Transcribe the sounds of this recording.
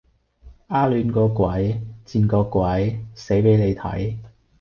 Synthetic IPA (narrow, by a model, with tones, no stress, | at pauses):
ʔaː˥lyː˨˧nkɔː˧kʷɐ˨˥jt͡siː˧nkɔː˧kʷwɐ˨˥jse˨˥jpe˨˥jne˨˧jt̪ʰɐ̰˨˥j